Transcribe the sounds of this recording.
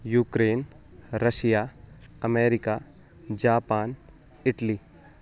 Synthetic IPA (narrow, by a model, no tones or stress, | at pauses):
juːkɾeːn | ɾəʃijaɐmeːɾɪka | d͡ʒaːpaːn | ɪʈliː